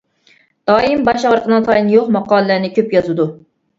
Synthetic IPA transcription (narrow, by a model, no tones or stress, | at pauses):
d̪̥ɑːjimbɑʃɑʁəɾqʰənɨŋt̪ʰɑjinjoχmɑqɑːlˠɨlænɪkʲʰøpjɑzɨd̪u